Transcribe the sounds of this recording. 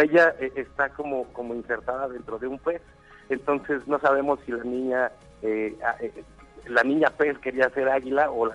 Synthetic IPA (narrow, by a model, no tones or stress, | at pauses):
eʝaeʔest̪ako̞moko̞moinse̞ɾt̪aðaðe̞nt̪ɾo̞ðe̞umpe̞s | ent̪o̞nse̞sno̞saβ̞e̞mo̞sːilanĩɲa | eaʔe | lanĩɲapeske̞ɾiase̞ɾaɣilaola